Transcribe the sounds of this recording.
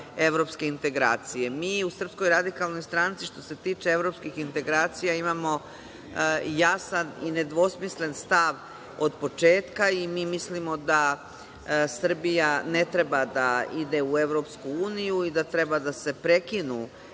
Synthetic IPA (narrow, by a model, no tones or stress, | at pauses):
e̞ʋɾo̞pske̞int̪e̞ɡɾaːt̪sije̞miːusr̩psko̞jɾad̪ikalˠno̞jst̪ɾaːnit̪siʃt̪o̞se̞t̪iːt͡ʃe̞e̞ʋɾo̞pskixint̪e̞ɡɾaːt̪sijaimamo̞ | jasanḭne̞d̪ʋo̞smisle̞nst̪aʋ | o̞d̪po̞t͡ʃe̞ːt̪kaimiːmislimo̞d̪a | sr̩bijane̞t̪ɾe̞bad̪aid̪e̞ue̞ʋɾo̞pskuuːnijuid̪at̪ɾe̞bad̪ase̞pɾe̞kinu